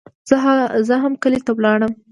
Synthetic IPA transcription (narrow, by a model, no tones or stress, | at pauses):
z̥əzəɦamkəlet̪awlɑɽəm